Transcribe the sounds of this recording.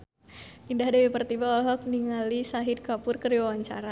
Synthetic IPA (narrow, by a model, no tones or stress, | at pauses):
indahdawipərt̪ibaɔlɦɔk̚niŋalisaɦid̪̚kapʊrkəɾiwawaɲt͡ʃa̰ɾa